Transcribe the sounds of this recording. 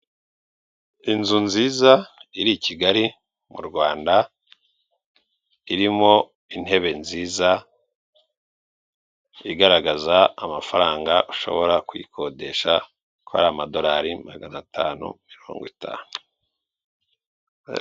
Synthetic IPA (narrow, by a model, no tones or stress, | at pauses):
inzunziːzaiɾiciɡaɾi | mṵɾɡwaːnda | iɾimo̞ | in̥e̞βe̞nziːza | iɡaɾaɡazaamafaɾaːŋɡaʔuʃo̞̰βo̞ɾakwḭkʰo̞de̞ʃa | kua̰ɾaːmado̞ɾaɾimaɡanatʰaːnṵmiɾo̰ːŋɡwitʰa̰ːnu